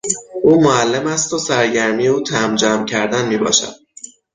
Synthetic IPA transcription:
ʔuːmoælːemæst̪osæɾɟæɾmijeuːt̪ʰæmd͡ʒæːmcʰæɾd̪ænmiːbɒ̰ːʃæ̰d̪̥̚

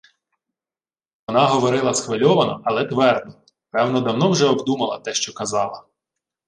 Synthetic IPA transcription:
ʋɔnɑɦɔʋɔɾɪlˠɐsxʋelʲɔʋɐnɔ̰ɐlˠɛt̪ʋɛrd̪̚nɔ | pɛwnɔd̪ɐwnɔwʒɛɔbd̪umɐlˠɐt̪ɛʃt͡ʃɔkɐzɑlˠɐ

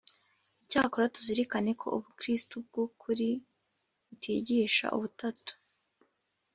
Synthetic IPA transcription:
icaːkoɾatu̥ziɾikane̞kʰo̞̰ʔuβukɾistub̚ɡ̥ukʰuɾi | βutʰiɟiːʃa̰ʔṵβutatu̥

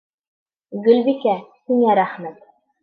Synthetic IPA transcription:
ɡɵ̆lbikæhiŋæɾæχmæt̪

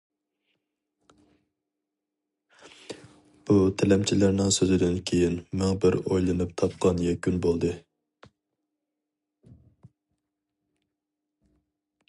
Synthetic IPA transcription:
b̥ut̪ʰɛlɛmt͡ʃʰilæɾnɪŋsøzɪd̪ɪnkʲʰejinmæŋbɪɾojlˠɨnɨpt̪ʰɑp̚qʰɑnjɛkʲynbolˠd̪ɨ

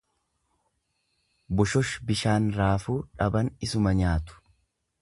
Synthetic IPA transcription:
bʊʃɔʃbɪʃaːnɾaːfuːᶑɐbɐnɪsʊmɐɲaːt̪ʊ̥

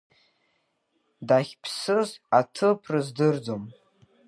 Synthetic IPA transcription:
daχʲpʰsɨzatʰɨpʰrɨzdɨrd͡zom

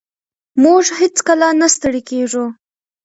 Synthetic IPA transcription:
muʐhet͡skəlanast̪əɽekeʐu

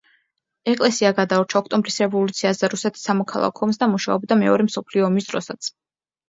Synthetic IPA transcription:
ɛkʼlɛsiaɡad̪aɔɾt͡ʃʰaɔkʰt̪ʼɔmbɾisɾɛvɔlˠut̪sʰiazɛɾusɛt̪ʰi̥sːamɔkʰa̰lˠa̰kʰɔɔms̬d̪amuʃa̰ɔbd̪amɛɔɾɛmsɔpʰliɔːmisd̪̥ɾɔsat̪sʰ

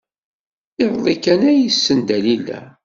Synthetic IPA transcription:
eɾˤðˤikænæjisːənd̪ælilːæ̰

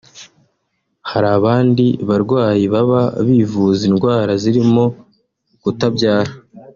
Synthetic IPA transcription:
haɾaβaːndiβaɾɡwaːjiβaβaβivuzinɡwaːɾaziɾimo̞ | ɡ̥utabɟaːɾa

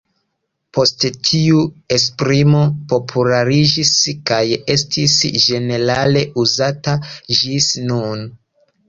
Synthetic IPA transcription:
pʰo̞sttʰiue̞spɾimo̞po̞pʰulaɾid͡ʒiskaje̞stʰisʒe̞ne̞ɾale̞ʔuzatad͡ʒisnun

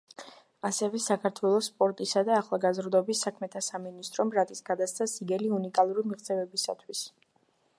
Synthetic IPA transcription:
asɛvɛsakʰaɾt̪ʰwɛlˠɔsːpʼɔɾt̪ʼisad̪aːχlˠaɡazɾd̪ɔbisːakʰmɛt̪ʰasaminist̪ʼɾɔmɾat̪ʼisɡad̪ast̪sʰasiɡɛliunikʼalˠuɾimiʁt̪zʼɛvɛbisa̰t̪ʰwis

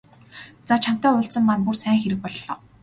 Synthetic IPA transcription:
t͡sat͡ɕʰam̥t̪æːʊɮsə̆mːanpursæːŋxeɾɘ̆k̚pɔɮːɔː

